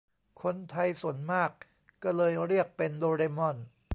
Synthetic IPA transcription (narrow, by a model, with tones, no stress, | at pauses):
kʰo˧nt̪ʰa˧jsu˨˩˦ənmaː˥˩k̚ː | ɔ˥˩lɤː˧jɾi˥˩ək̚pe˧ndoː˧ɾeː˧mɔ˥˩n